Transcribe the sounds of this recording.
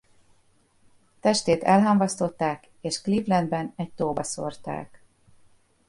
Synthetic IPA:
t̪ɛʃt̪eːt̪ɛlɦɒmvɒst̪o̞t̪ːaːk | eːʃklivlɛnd̪bɛnɛc̚t̪oːbɒso̞rt̪a̰ːk

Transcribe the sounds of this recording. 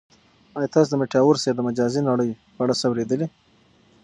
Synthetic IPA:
ɑjt̪ɑs̬d̪əmeʈjɑwʊɾsed̪əmad͡ʒɑzinɑɽəj | paɽasawɾed̪əli

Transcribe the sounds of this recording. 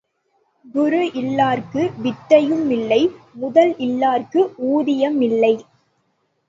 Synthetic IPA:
d̪ʊɾɯʔɪlːaːɾkɯʋɪʈ̪ːɐjɯmɪlːɐɪmʊðɐlʔɪlːaːrkɯʔuːðɪjɐmɪlːɐɪ

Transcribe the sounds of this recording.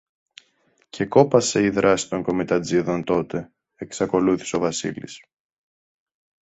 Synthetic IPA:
cʰe̞ko̞pɐse̞iðɾɐsi̥t̪o̞ŋko̞mit̪ɐd͡ziðo̞nt̪o̞t̪e̞ | eksɐko̞luθi̥seo̞vɐsḭlḭs

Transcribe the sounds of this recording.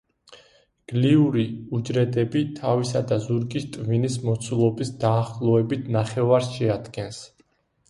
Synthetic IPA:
ɡ̥liuɾiud͡ʒɾɛd̪ɛbit̪ʰavisad̪azuɾɡist̪ʼvinismɔt̪sʰulˠɔbisd̪aːχlˠɔɛbit̪ʰnaχɛvaɾsʃɛad̪ɡɛns

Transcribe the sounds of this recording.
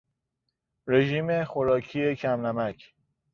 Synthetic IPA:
ɾe̞ʒiːme̞xoɾɒːcʰiːe̞cʰæmnæmækʰ

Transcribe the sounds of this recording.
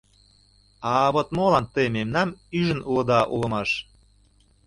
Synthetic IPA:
ɑβot̪molɑnt̪əjmemnɑmyʒə̆nulɤ̆d̪ɑʔulɤ̆mɑʃ

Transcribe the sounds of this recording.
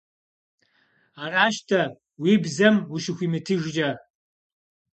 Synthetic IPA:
araːʃtʰɐ | wibzɐmuʃɪxʷimɨtʰɨʒd͡ʒɐ

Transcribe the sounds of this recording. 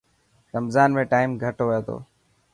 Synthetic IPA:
ɾəmzaːnmẽːʈaːɪmɡʱəʈoːʋəjoːt̪ʰo̰ː

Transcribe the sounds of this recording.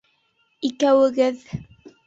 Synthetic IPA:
ikæwɘ̆ɡɘð

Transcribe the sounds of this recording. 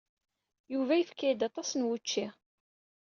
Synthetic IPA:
juvæjəfkːæjəd̪ɑt̪ˤɑsənwət͡ʃːiʁ

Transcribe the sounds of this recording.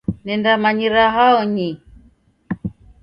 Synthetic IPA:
nɛndamaɲiɾaɦaɔɲi

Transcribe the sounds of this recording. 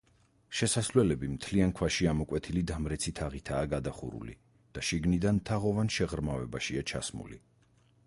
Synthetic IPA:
ʃɛsaslɛlɛbimt̪ʰliaŋkʰwaʃiamɔkʼwɛt̪ʰilid̪amɾɛt̪sʰit̪ʰaʁit̪ʰaːɡad̪aχṵɾṵlḭ | d̪̥aʃiɡnid̪ant̪ʰaʁɔvanʃɛʁɾmavɛbaʃiat͡ʃʰa̰smṵlḭ

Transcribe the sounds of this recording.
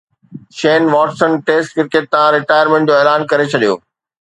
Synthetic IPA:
ʃeːnʋɔːʈsənʈeːsʈkɪɾkeʈ̚t̪ãɾɪʈaːjəɾmẽɳʈ̚d͡ʑoːeːlaːnkɐɾet͡ɕʰɐɗijo̰ː

